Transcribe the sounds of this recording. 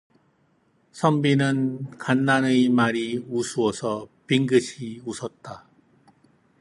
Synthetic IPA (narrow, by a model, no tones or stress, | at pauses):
sʰʌmbinɯnkanːanɯjmaɾiusʰuʌsʰʌpiŋɡɯɕʰiusʰʌt̚t͈a